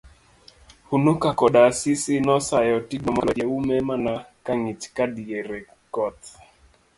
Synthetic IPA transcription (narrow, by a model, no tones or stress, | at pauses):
hunokakɔɗasisɪnɔsajɔtiɡɔma̰lɔd͡ʒaumemanakaŋit͡ʃkadieɾɛ | kɔt̪